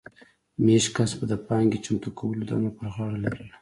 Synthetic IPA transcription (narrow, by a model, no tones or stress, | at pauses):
meʃkasbad̪əpɑŋɡet͡ʃamt̪ukʰawəlod̪ɑ̰napəɾɣɑɽalaɾəl